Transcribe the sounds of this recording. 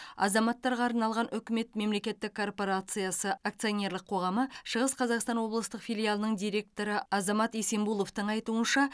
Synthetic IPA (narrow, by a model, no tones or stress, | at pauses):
ɑ̰zɑmɑt̪ːɑɾʁɑːɾnɑlˠʁɑnʔʏkʲɪme̞t̪me̞mle̞kʲe̞t̪ːɪkʰːo̞rpo̞ɾat̪sɨjasəak̚t̪sɨjo̞nʲe̞ɾlˠəqʰːo̞ʁɑməʃəʁəsqʰɑzɑqst̪ɑnwo̞blˠəst̪əqfʲijlʲˠijalˠənəɴd̪ijɾʲe̞k̚t̪o̞ɾəɑzɑmɑt̪ese̞mbulˠo̞ft̪əɴɑjt̪uənʃɑ